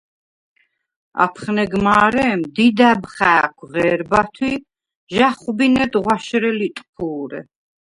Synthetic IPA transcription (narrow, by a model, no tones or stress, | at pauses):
a̰pʰχnɛɡmaːɾɛmd̪id̪abχæːkʰʁɛːɾbat̪ʰwi | ʒaχubinɛd̪ʁwaʃɾɛlit̪ʼpʰuːɾɛ̰